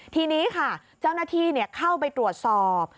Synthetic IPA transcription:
t̪ʰiː˧niː˦˥kʰa˥˩ | t͡ɕa˥˩wnaː˥˩t̪ʰiː˧ni˥˩əkʰa˥˩wpa˧jt̪ɾu˨˩ət̪̚sɔː˨˩p̚

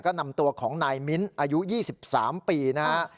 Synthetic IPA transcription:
kɔː˥˩na˧mt̪u˧ɐkʰɔː˩˦ŋnaː˧jmi˦˥nʔaː˧ju˦˥jiː˥˩si˨˩p̚saː˩˦mpiː˧na˦˥

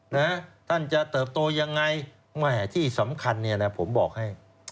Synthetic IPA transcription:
na˦˥t̪ʰa˥˩nt͡ɕa˨˩ʔt̪ɤː˨˩p̚t̪oː˧ja˧ŋːa˧j | mɛ˥˩t̪ʰiː˥˩sa˩˦mkʰa˧nːi˥˩ɐlɛ˧pʰo˩˦mbɔː˨˩k̚ha˥˩j

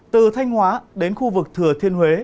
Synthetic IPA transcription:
t̪ɨ˨˩t̪ʰa˧jŋ̟hwaː˨˦ɗe˨˦nxu˧vɨ˨˩k̚t̪ʰɨ˧˩ət̪ʰi˧ənwe˨˦

